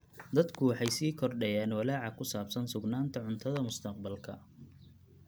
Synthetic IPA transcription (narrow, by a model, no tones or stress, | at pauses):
d̪ɐd̪kʰʊwɑħɑjsiːkʰɔrɖɛjaːnwɐlaːʕɑkʰʊsaːbsɐnsʊɡnaːnt̪ʰɐʕʊnt̪ʰɐðɐmʊst̪ʰɐqbɐlkʰɐ̰